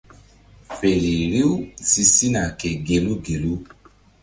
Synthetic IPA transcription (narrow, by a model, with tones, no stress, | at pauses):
fe˨ɾi˨ɾi˦u˦˨si˧si˦na˨ke˨ɡe˨˧lu˦ɡe˨lu˦